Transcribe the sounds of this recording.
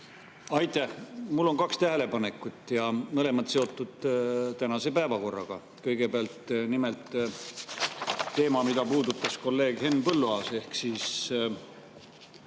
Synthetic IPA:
ɑjt̪ːˑæhmulːo̞ŋkɑkst̪æɦele̞pɑne̞kːˑut̪ːˑjɑmɤle̞mɑt̪se̞o̞t̪ːˑud̪̥t̪ænɑse̞pæevɑko̞rːɑɡ̥ɑ̰ | kɤjɡ̥e̞peɑlt̪nimelt̪ | e̞ːmɑmid̪̥ɑpuːd̪ut̪ːˑɑsko̞lːe̞ːɡ̥he̞nːpɤlːuɑːse̞hksiːs

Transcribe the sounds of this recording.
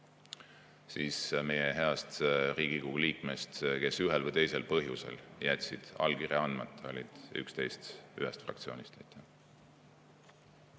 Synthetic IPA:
siːsme̞jeɦe̞ɑst̪riːɡ̥ikuɡuliːkme̞st̪ke̞syɦelvɤjt̪e̞jse̞lpɤɦjuse̞̰ljæt̪ʲsid̪̥ɑ̰lkiɾeɑnd̪̥mɑt̪ːˑo̞̰lʲid̪̥y̰kst̪e̞jst̪yɦɛst̪frɑ̰kt̪sio̞ːnʲist̪ejt̪ʲʰːˑæ

